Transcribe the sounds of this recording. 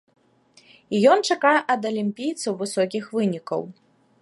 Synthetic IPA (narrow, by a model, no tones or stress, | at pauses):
ijɔnt͡ʂakajɛʔɐd̪ɐlʲimʲpʲijt̪sɐwvɨsɔkʲixvɨnʲikɐ̰w